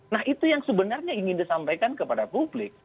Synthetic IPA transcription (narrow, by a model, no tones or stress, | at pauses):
nahit̪ujaŋsəbənarɲaiŋɪndisampajkankəpadapublɪk̚